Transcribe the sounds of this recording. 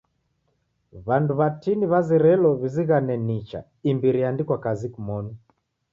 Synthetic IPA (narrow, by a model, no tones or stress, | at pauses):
βanduβatiniβazɛɾɛlɔβiziɣanɛnit͡ʃa̰ | imbiɾijandikwakazikumɔnu